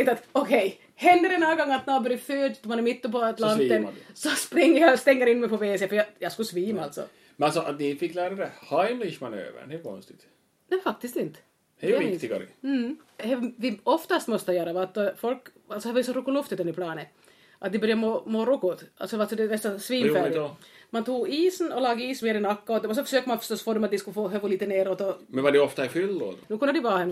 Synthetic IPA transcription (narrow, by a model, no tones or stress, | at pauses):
t̪at̪ɔkʰɛj | hɛnd̪əɾɛnaɡɔŋːat̪̚nɛhabœɾjəføːdt̪ɔmanɛɾmɪt̪ːʊpɔat̪lanːt̪ənsɔspɾɪŋːəɾjɑst̪ɛŋːəɾɪnmɛjpʰɔvesefœɾjɑjɑskʉsviːmaa̰lt̪sɔ̰ | mɛnalsɔʔat̪nɪfɪkːlæːɾad̪ɛhajmlɪʃmanø̰ːvə̰ɾɖɛkʰɔ̰nst̪ɪ̥t̪ | nɛjfak̚t̪ɪst̪ɪnt̪ | hɛɪt̪ɪɡa̰ɾɪ̰hɛvɪɔft̪ast̪mɔst̪əjœːɾaʋat̪̚d̪ɔfɔlk | alsɔhæɾvɑjsɔɾukːʊlʊft̪ət̪ɛnːɪɾpʰlɑːnə | ʔat̪̚d̪ɛbœɾjamoːmoːɾʊkːʊt̪ʔalsɔalsɔd̪ɛvɛst̪asviːmfæːmant̪ʰuːɡiːsnɔlɑːɡəiːsmeːɾɪnakːaɔd̪ɛɔs̬ɔfœʂøːkəmanfœ̥ʂtɔst̪foːd̪ɔmat̪̚d̪ɪskalfoːɦœvʊliːt̪əneːɾoːt̪ɔmɛnvadɛɔft̪aɛfʏlːo̰ːd̪d̪ʊkʊnd̪əd̪ɪvɑːhɛn